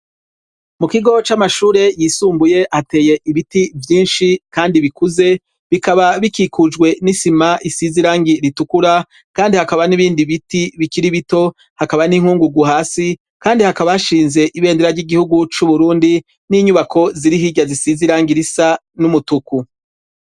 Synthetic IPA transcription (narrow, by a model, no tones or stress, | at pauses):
mukiɡo̞t͡ʃamaʃuːɾe̞jiːsuːmbuje̞ʔhate̞ːje̞ʔiβitivjiːnʃikaːndiβikuze̞ | βikaβaβikikʰud͡ʒɡwe̞nisimaʔisiziɾaːŋɡiɾitukuɾa | kaːndihakaβaniβiːndiβitiβikiɾiβito̞ | hakaβaniŋ̥uːŋɡuɡuɦaːsi | kaːndihakaβaaʃiːnze̞ʔiβe̞ːndeɾaɾɟiɡihuɡut͡ʃuβuɾuːndi | niːɲuβakʰo̞ziɾiɦiɟazisiziɾaːŋɡiɾisa | numutuku